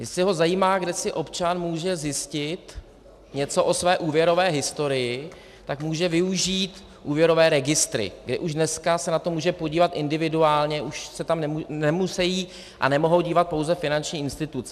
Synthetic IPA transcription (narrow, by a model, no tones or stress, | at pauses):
ɪsɪɦo̞zajiːmaːɡdɛsɪʔo̞pt͡ʃanmuːʒɛzjɪscɪt̪ | ɲɛt͡so̞ʔo̞svɛːʔuːvjɛɾo̞vɛːɦɪst̪o̞ɾɪjɪ | t̪akmuːʒɛvɪuʒiːt̪ | ʔuːvjɛɾo̞vɛːɾɛɡɪst̪ɾɪ̰ɡdɪʔuʒdnɛskasɛnat̪o̞muːʒɛpoɟiːvat̪ʔɪndɪvɪduaːlɲɛʔuʃsɛt̪amnɛmunɛmusɛjiː | ʔa̰nɛmo̞ɦo̞wɟiːvat̪̚po̞wzɛfɪnant͡ʃɲiːɪnst̪ɪt̪ut͡s